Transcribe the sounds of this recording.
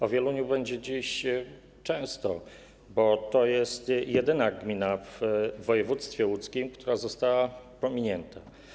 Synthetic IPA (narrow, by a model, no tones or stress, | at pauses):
ɔvʲjɛluɲubɛɲd͡ʑɛd͡ʑiɕ | t͡ʂɛ̃w̃st̪ɔ | bɔt̪ɔjɛst̪jɛd̪ɘnaɡmʲinavːɔjɛvut̪st̪fʲjɛwut̪skʲimkt̪uɾazɔst̪awapɔmʲiɲɛnt̪a